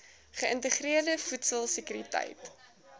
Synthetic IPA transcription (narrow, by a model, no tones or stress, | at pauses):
χəəntəχriərdəfutsəlˠsəkyɾitɛ̰jt